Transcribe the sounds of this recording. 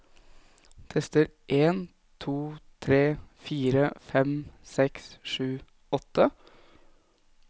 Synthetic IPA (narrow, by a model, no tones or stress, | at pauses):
t̪ʰɛst̪əɾʔeːn | t̪ʰuːt̪ʰɾeːfiːɾəfɛmsɛksʂʉː | ɔt̪ːə